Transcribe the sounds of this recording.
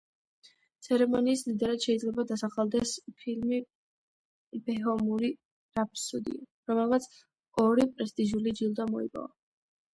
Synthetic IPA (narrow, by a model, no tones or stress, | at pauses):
t̪sʰɛɾɛmɔniːsmd̪id̪aɾad̪̥ʃɛid̪zlɛbad̪asaχalˠd̪ɛspʰilmi | bɛɦɔmuɾi | ɾap̚ʰsud̪ḭa | ɾɔmɛlˠmat̪sʰ | ɔɾipʼɾɛst̪ʼiʒulid͡ʒilˠd̪amɔḭpʼɔ̰va